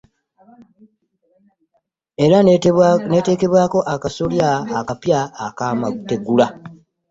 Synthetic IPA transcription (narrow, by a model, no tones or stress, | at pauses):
e̞ɾane̞ːte̞ːke̞βwaːko̞ʔakasoljaːkapjaːkamaɡute̞ɡula